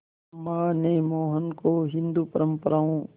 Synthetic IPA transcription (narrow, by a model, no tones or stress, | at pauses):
maːneːmoːɦənkoːɦɪ̃nd̪uːpəɾəmpəɾaːõː